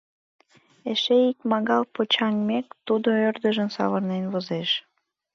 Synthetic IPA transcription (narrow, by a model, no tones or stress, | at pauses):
eʃeikmɑɣɑlpot͡ɕɑŋmekt̪ud̪oørd̪əʒənsɑ̰βərnenβozeʃ